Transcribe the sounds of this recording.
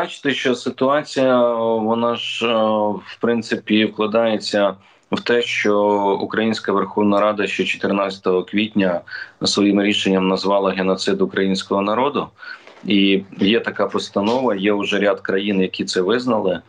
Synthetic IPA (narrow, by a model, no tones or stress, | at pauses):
ɑt͡ʃɪ̥t̪ɪʃt͡ʃɔsɪt̪ʊɑt͡sʲijɐʋɔnɑʒ̥ | wpɾɪnt̪sɪpʲiwklˠɐd̪ɑjet͡sʲːɐ | wt̪ɛʃt͡ʃɔukɾɐjinʲsʲkɐʋerxɔwnɐɾɑd̪ɐʃt͡ʃɛt͡ʃɔ̥t̪eɾnasʲɐ̥t̪ɔɦɔkʋʲitʲnʲɐsʋɔjimɾʲiʃenʲːɐmnɐzʋɑlˠɐɦenɔt̪sɪd̪ʊkɾɐjinʲsʲkɔɦɔnɐɾɔd̪ʊijɛt̪ɐkɑpɔst̪ɐnɔʋɐjɛʊʒɛɾʲad̪kɾɐjinjɐkʲit̪sɛʋɪznɐlˠɪ